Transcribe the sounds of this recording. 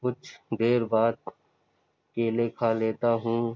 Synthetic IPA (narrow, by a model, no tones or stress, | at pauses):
kʊt͡ʃʰd̪eːɾbaːd̪̚ | keːleːkʰaleːt̪aɦũː